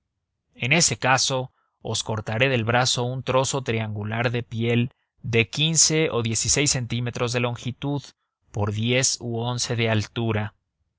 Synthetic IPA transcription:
e̞ne̞se̞kaso̞ | o̰sko̞ɾt̪aɾe̞ðe̞lβɾaso̞unt̪ɾo̞so̞t̪ɾiaŋɡulaɾðe̞pje̞l | d̪e̞kinse̞oðje̞sise̞jsːe̞nt̪ime̞t̪ɾo̞zðe̞lo̞ŋxit̪uð | po̞ɾðje̞suo̞nse̞ðe̞alt̪uɾa

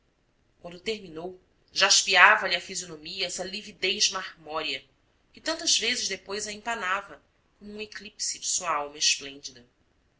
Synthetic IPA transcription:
k̚wɐ̃nd̪ʊt̪eɦminow | ʒaʃpiavɐliɐfizionõmiɐɛsɐlivid̪ejzmaʁmɔɾiɐ | kɪt̪ɐ̃nt̪ɐzvezɪʒd̪epojzɐẽpanavɐ | kõmʊũeklipsid͡ʒɪsuɐawmɐɪʃplẽnd͡ʒid̪ɐ

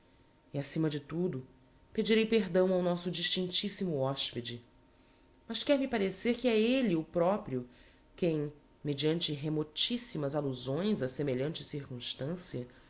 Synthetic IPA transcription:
iasĩmɐd͡ʒɪt̪ud̪ʊ | ped͡ʒiɾejpeɦd̪ɐ̃w̃awnɔsʊd͡ʒiʃt͡ʃĩnt͡ʃisimʊɔʃped͡ʒɪ | mɐʃkɛɾmipaɾeseɾkɪɛeliʊpɾɔpɾiʊ | kẽj̃ | med͡ʒiɐ̃nt͡ʃɪɦemot͡ʃisimɐzaluzõj̃zɐsemeʎɐ̃nt͡ʃɪ̥siɾkũʃt̪ɐ̃siɐ

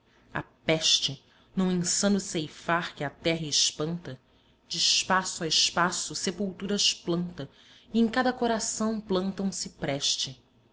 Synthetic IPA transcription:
a̰pɛʃt͡ʃɪ | nɐ̃w̃ẽŋsɐ̃nʊsejfaɾkɪɐt̪ɛɦɐɪʃpɐ̃nt̪ɐ | d͡ʒɪʃpasʊaɪʃpasʊsepuwt̪uɾɐʃplɐ̃nt̪ɐ | ɪẽŋ̃kad̪ɐkoɾasɐ̃w̃plɐ̃nt̪ɐ̃w̃sɪpɾɛʃt͡ʃɪ

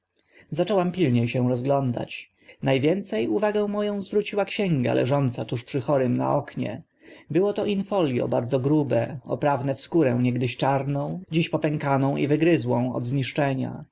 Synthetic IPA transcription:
zat͡ʂɔwampʲilɲejɕɛ̃w̃ɾɔzɡlɔnd̪a̰t͡ɕ | najvʲjɛnt̪sɛjuvaɡɛ̃w̃mɔjɔ̃w̃zvɾut͡ɕiwakɕɛ̃ŋɡa̰lʔɛ̰ʐɔnt̪sat̪uʂpʂɘxɔɾɘmna̰ʔɔkɲɛ̰ | bɘwɔt̪ɔʔinfɔlʲjɔ̰baɾd̪zɔɡɾubɛɔ̰pɾavnɛfskuɾɛw̃ɲɛɡd̪ɘɕt͡ʂaɾnɔ̃w̃d͡ʑiɕpɔpɛŋkanɔ̃w̃ʔḭvɘɡɾɘzwɔ̃w̃ɔ̰d̪zɲiʂt͡ʂɛɲa̰

